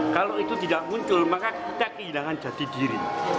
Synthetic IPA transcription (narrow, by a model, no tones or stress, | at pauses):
kaloit̪ut̪idaʔ̚muɲt͡ʃʊlmakakit̪akəɦilaŋand͡ʒ̥a̤t̪idiɾḭ